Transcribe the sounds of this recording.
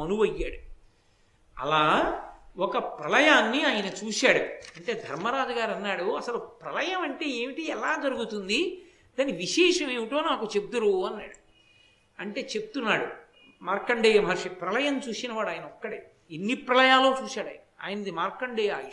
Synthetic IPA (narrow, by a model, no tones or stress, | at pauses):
ɐnuʋɐjːaːɽu | ɐ̰laːwɔkɐpɾɐlɐjaːnːiaːjɐnɐt͡ʃuːsaːɽuɐɳʈe̞ːd̪ʱɐɾmɐɾaːd͡ʒɐɡaːɾɐnːaːɽuɐsɐlupɾɐlɐjɐmɐɳʈe̞ːe̞ːmiʈiɛlaːd͡ʒɐɾuɡut̪und̪i | d̪aːnːiʋiʃɛːʂɐmeːʋiʈoːnaːkut͡ʃeb̚d̪uɾuɐnːaːɽu | ɐɳʈe̞ːt͡ʃe̞put̪unːaːɽu | maːɾkːɐɳɖeːm̤ʱɐɾʂɐpɾɐlɐjɐnt͡ʃuːsinɐʋaːɽaːjɐnɐɔkːɐɽe | enːipɾɐlɐjaːlːo̞ːt͡ʃuːsaːɽɐːjɐnɐa̰ːjɐnɐd̪imaːɾkɐɳɖejaːi